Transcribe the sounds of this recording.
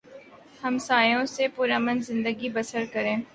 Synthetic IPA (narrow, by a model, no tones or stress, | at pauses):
hɐmsaːjõsepuɾaːmə̃nd̪zɪ̃nd̪əɡibɐsəɾkɐɾẽː